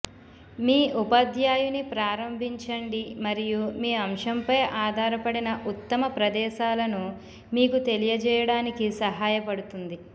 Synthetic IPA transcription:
miːʔupɐd̪jaːjunipɾaːɾɐmbʱiɲt͡ʃɐɳɖimɐɾijumiːɐmʂɐmpɐjʔaːd̪ʱaːɾɐpɐɽinɐʔut̪ːɐmɐpɾɐd̪ɛːʃaːlɐnu | miːkut̪e̞lijɐd͡ʒɛːjɐɽaːnikisɐɦaːjɐpɐɽut̪und̪i

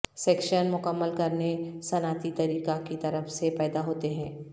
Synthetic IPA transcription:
sɛːkʃənmʊkəmːəlkɐɾnesɐnaːt̪it̪ɐɾiːkakit̪ɐɾəfsepɛːd̪aɦoːt̪eɦɛ̃ː

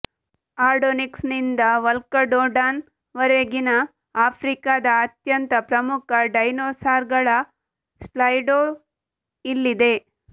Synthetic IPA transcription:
aːɾɖoniksnind̪ɐʋɐlkɐɖoːɖaːn | ʋɐɾeɡinɐ | aːpʰɾikaːd̪ɐːt̪jɐnt̪ɐpɾɐmukʰɐɖɐjnoːsaːɾɡɐɭɐ | slɐjɖoː | ilːid̪e̞

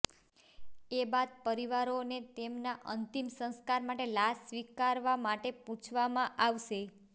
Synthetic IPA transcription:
ebad̪̚pəɾiʋaɾonet̪emnaʔənt̪imsə̃ñskaɾmaʈelassʋikaɾʋamaʈepũt͡ʃʰʋamãʔaʋʃe

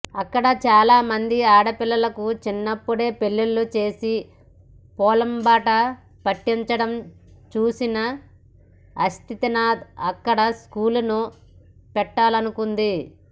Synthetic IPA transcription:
ɐkːɐɽɐt͡ʃaːlaːmɐnd̪iaːɽɐpilːɐlɐkut͡ʃinːɐpːuɽe̞ːpe̞lːulːut͡ʃe̞ːsi | pɔːlɐmbaːʈɐ | pɐʈːiɲt͡ʃɐɽɐm | t͡ʃuːsinɐ | ɐst̪ʰit̪ɐnaːd̪ɐkːɐɽɐskuːlunu | pɛʈːaːlɐnukund̪i

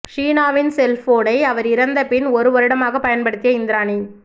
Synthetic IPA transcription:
ʂiːnaːʋɪnsɛlfoːɽɐɪɐʋɐɾɪɾɐnd̪ɐpɪnɔɾɯʋɔɾɯɽɐmaːɣɐpːɐjɐnpɐɽɯt̪ːɪjɐɪnd̪ɪɾaːni

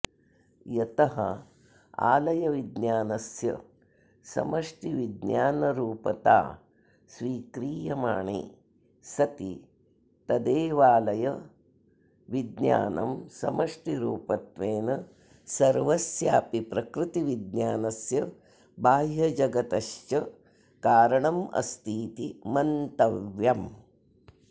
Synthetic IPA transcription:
jɐt̪ɐɦɐ̰ | a̰ːlɐjɐʋid̪njaːnɐsjɐ̰ | sɐ̰mɐʂʈiʋid̪ɲjaːnɐɾuːpɐt̪a̰ː | sʋiːkɾiːjɐmaːɳḭ | sɐt̪ḭ | t̪ɐd̪eːʋaːlɐjɐ | ʋid̪ɲja̰ːnʔɐ̰msɐ̰mɐʂʈiɾuːpɐt̪ʋeːnɐ | sɐɾʋɐsjaːpipɾɐkɾɪt̪iʋid̪njaːnɐsjɐ | bʱaːjjɐd͡ʒɐɡɐt̪ɐʃt͡ʃɐ | kaːɾɐɳɐmɐ̰st̪ʰiːt̪imɐnt̪ɐʋjɐm

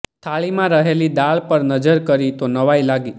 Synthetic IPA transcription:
t̪ʰaɭimãɾəɦelid̪aɭpəɾnəd͡ʒəɾkəɾit̪onəʋajlaɡi

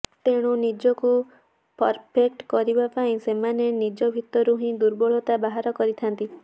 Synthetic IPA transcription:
t̪eɽ̃unid͡ʒɔku | pɔɾpʰek̚ʈkɔɾibapaĩsemanenid͡ʒɔbʱit̪ɔɾuɦĩd̪uɾbɔɭ̤ɔt̪abaɦaɾɔkɔɾit̪ʰant̪i

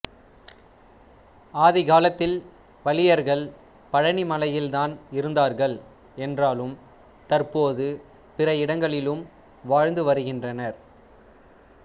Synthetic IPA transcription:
aːðɪɣaːlɐt̪ːɪl | pɐlɪjɐɾɣɐɭ | pɐɻɐnimɐlɐjɪlt̪aːnɪɾɯnd̪aːɾɣɐɭ | ɛndraːlɯm | t̪ɐɾpoːðɯ | pɪrɐɪɽɐŋɡɐɭɪlɯm | ʋaːɻnd̪ɯʋɐɾɯɣɪndrɐnɐɾ

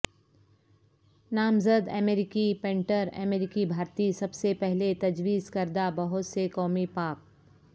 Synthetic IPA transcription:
naːmzəd̪ɛ̰meːɾɪkipẽɳʈəɾɛ̰meːɾɪkibʱaːɾt̪isɐbsepɛɦlet̪ɐd͡ʒwiːzkɐɾd̪abɐɦʊt̪sekɔːmipaːk̚

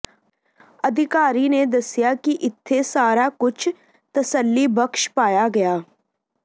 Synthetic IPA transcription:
əd̪ʱɪkaːɾiːned̪əsɪjaːkiʔɪt̪ʰːesaːɾaːkʊt͡ʃʰ | t̪əsəlːiːbəkʃpaːjaːɡɐjaː

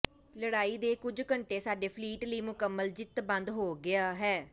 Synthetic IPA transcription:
ləɽaːiːd̪eːkʊd͡ʒkəɳʈeːsaːɖeːpʰliːʈliːmʊkəmːəld͡ʒɪt̪bə̃nd̪ɦoːɡɪaːɦɛː

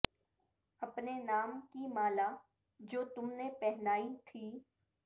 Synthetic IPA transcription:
ɐpnenaːmkimaːlaː | d͡ʒoːt̪ʊmnepɛɦnaːit̪ʰiː

